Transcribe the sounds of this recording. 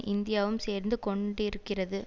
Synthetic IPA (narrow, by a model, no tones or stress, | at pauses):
ʔɪnd̪ɪjaːʋɯmseːɾnd̪ɯkɔɳɖɪɾɯkːɪrɐðɯ